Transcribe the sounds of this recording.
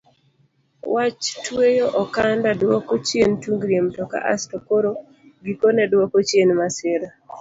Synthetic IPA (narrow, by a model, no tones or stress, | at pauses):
wat͡ʃtwejoʔɔkandadwɔkot͡ʃjentuŋɡɾjemtɔka̰ʔa̰stokoɾo | ɡikonɛdwɔkot͡ʃjenmasɪɾa